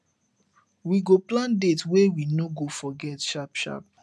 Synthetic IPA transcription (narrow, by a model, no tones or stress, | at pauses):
wiɡoplãndetwewinoɡofɔɡɛtʃapʃa̰p̚